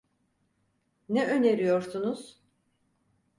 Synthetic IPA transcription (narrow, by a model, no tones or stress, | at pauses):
nɛʔø̞ne̞ɾijo̞ɾsunuz̥